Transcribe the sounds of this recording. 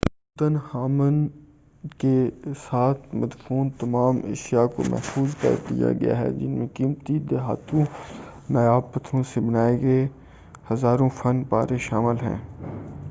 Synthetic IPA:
t̪ənhaːmən | kesaːt̪ʰmɐd̪fuːnt̪ɐmaːmeːʃijako̰mɛ̰ɦfuːzkə̰ɾd̪ḭja̰ɡɐ̰ja̰ːɦɛ̰d͡ʒɪ̰nmẽkiːmt̪id̪eɦaːt̪ʰũnɐjaːbpət̪ʰɾõsebənaːeɡəe | hɐzaːɾõfɐnpaːɾeʃaːmɪlɦɛ̰̃ː

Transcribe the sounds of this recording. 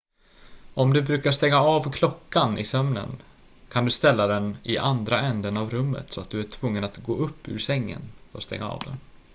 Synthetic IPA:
ɔmd̪ɵbɾʉ̟ːkaʂt̪ɛŋːaaːvkʰlɔkːanɪ̰sœmnə̰n | kʰand̪ɵst̪ɛlːad̪ɛnɪʔand̪ɾaɛnd̪ənavɾɵmːə̰t̪sɔat̪̚d̪ɵæʈʰvɵŋːənat̪ɡoːɵpːʉ̰ɾsɛŋːə̰nɔ̰st̪ɛ̰ŋːa̰ɑ̰ːvd̪ɛ̰n

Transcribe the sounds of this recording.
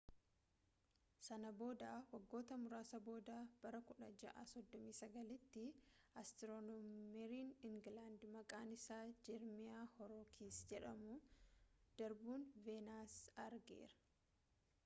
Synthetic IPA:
sɐnɐbo̞ːd̪aːwɐɡːo̞ːt̪ɐmʊɾaːsɐbo̞ːd̪aːb̥ɐɾɐkʊᶑɐd͡ʒɐ̰ʔaːsɔd̪ːɔmiːsɐɡɐlɪt̪ːɪɐst̪ɪɾɔnɔmɛɾiːnɪŋɡlaːnd̪mɐkʼaːnɪsaːd͡ʒɛɾmɪjaːhɔɾoːkʰeːsd͡ʒɛᶑɐmʊ | d̪̥ɐɾbuːnveːnaːsɐɾɡḛːɾɐ̥

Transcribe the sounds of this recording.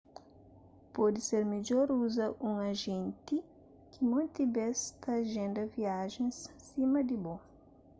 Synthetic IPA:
pɔd̪iseɾmid͡ʒɔɾuzɐʔũŋɐʒẽnt̪i | kimõnt̪ibɛst̪ɐʒẽnd̪ɐviaʒẽssimɐd̪ibõ

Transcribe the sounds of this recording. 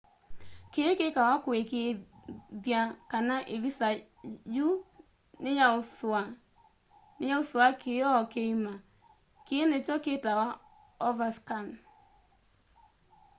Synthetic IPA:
kekekawakwekeðjakanaʔeβisa | ju | nejaosa | nejaosoakʰeɔkeima | kenet͡ʃɔketawa | ɔvaskan

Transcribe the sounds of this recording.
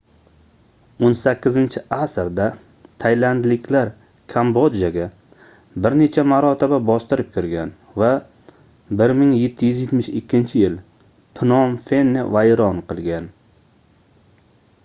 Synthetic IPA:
onsakʲːɪzɪnt͡ʃʰɪʔasɾd̪a | t̪ʰajland̪lɪkʲʰlaɾ | kʰambod̪jaɡʲa | bɪɾne̞t͡ʃʰamaɾɒt̪ʰɪbabɒst̪ɪɾɪp̚kʲʰʊɾɡʲan | va | bɪɾmɪŋje̞t̪ʰːɪjyzjet̪mɪʃɪkʲʰːɪnt͡ʃʰɪjɪl | pʰɪnɒmfe̞nːɪvajɾɒnqʰɨlˠɡʲan

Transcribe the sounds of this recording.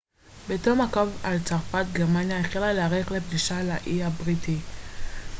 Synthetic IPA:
betomakovalt͡saʁfatɡeʁmanjaeχilaleaʁeχlep̚diʃalaʔiabʁiti

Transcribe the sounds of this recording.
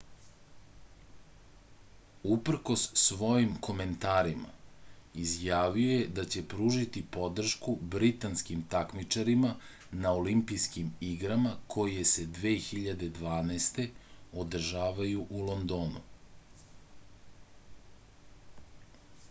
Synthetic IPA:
upr̩ko̞sːʋo̞jimkʰo̞me̞nt̪aːɾima̰izjaːʋio̞jed̪at͡ɕe̞pɾuːʒit̪ipo̞d̪r̩ʃkubɾit̪anskimt̪akmit͡ʂaɾima | naolimpijskimiɡɾamakʰo̞je̞se̞d̪ʋeːxiʎad̪e̞d̪ʋaːnast̪e̞od̪r̩ʒaːʋajuʔulˠond̪oːnṵ

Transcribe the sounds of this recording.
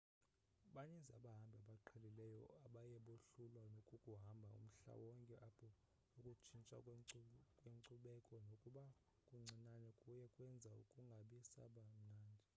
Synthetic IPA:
ɓaɲɛzaɓaɦambʱaɓaǃʰɛlilɛjɔaɓajɛɓoɬulwanokʼukʼuɦambʱaṵm̩ɬa̰wɔŋkʼɛʔapʰɔ | ukʼut͡ʃʰint͡ʃʼa̰ | kʼweŋǀuɓɛkʼɔnokʼuɓa | kʼuŋ͡ǀʱinanɛkʼujɛkʼwɛnd͡zʱaṵkʼuŋɡʱaɓisa̰ɓam̩naːndʱɛ

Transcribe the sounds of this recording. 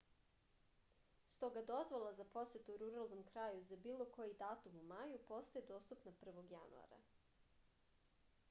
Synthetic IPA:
st̪o̞ɡad̪o̞zʋolˠazapo̞set̪uuɾuɾalˠnomkɾajuzabiːlˠo̞kojid̪aːt̪umumajupo̞st̪ajed̪o̞ːst̪upnapr̩ʋo̞ɡja̰nṵa̰ɾa̰

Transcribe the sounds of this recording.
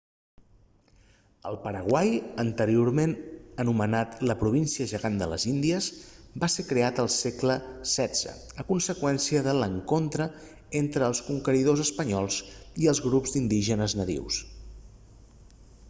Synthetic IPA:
ə̰lˠpəɾəɣwajənt̪əɾioɾmenənumənat̪ləpɾuβinsiəʒəɣand̪ələ̰zind̪iəzbasekɾeat̪əlˠsɛkləsɛdd͡z̥ə̰əkunsəkwɛnsiəðələŋkont̪ɾə | ent̪ɾəːlˠskuŋkəɾiðozəspəɲɔlˠziəlˠzɣɾupzd̪ind̪iʒənəznəðḭws

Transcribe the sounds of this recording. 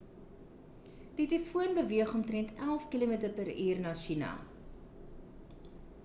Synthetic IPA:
d̥itəfuənbəviəχɔmtrɛntʰælˠfkilomitərpəɾiːrnɑːʃinɐ̰

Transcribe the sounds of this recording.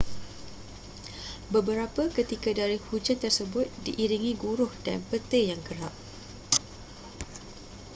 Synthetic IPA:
bəbəɾapəkət̪ikadaɾihud͡ʒant̪ərsəbʊt̪̚diʔiɾiŋĩɡuɾʊhda̰npət̪ejaŋkəɾaʔ̚

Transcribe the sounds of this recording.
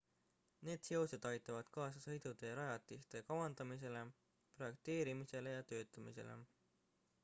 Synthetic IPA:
ne̞ːd̪̥seosed̪̥ɑjt̪ːˑɑvɑd̪̥kɑːsɑsɤ̞jd̪̥ud̪̥e̞ɾɑjɑt̪ːˑist̪ekɑwɑnd̪ɑmis̬e̞le̞ | pro̞jek̚t̪e̞ːɾimise̞le̞jɑt̪ø̞ːt̪ːˑɑmise̞̰lḛ

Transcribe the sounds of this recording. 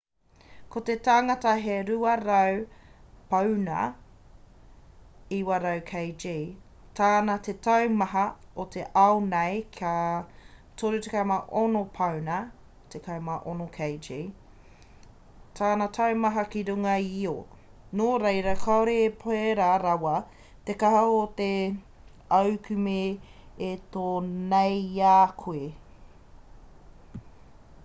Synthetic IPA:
kʰotetaːŋɐtɐɦeɾuɐɾɐwpɐwnɐ̰ | iwaɾɐwkʰejd͡ʒiː | tʰaːnɐtetɐwmɐɦɐotʰeʔɐwnejkʰa | toɾutekɐmaʔonopʰɐwnɐ | tʰekʰɐwmaʔonokʰejd͡ʒi | tʰaːnɐtʰaemɐɦɐkiɾuŋɐio | noɾejɾɐkʰaoɾeːpʰoeɾaɾɐwɐ | tekɐɦɐot̪e | ɐwkʰʉmeet̪oːnejaːkʰue

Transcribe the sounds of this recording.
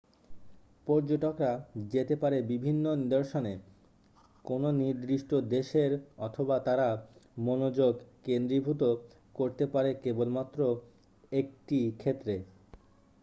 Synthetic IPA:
pɔɾd͡ʑoʈokɾad͡ʑet̪epaɾebibʱinːonid̪oɾʃone | kononiɾd̪ɾiʃʈod̪eʃeɾɔt̪ʰobat̪aɾamonod͡ʑoɡkend̪ɾibʱut̪̬o | koɾt̪epaɾekebolmat̪ːɾo | ek̚ʈikʰet̪ːɾe

